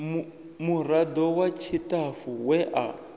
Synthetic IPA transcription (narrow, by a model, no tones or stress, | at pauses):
murad̪ɔwat͡ʃʰitafuwɛʔa̰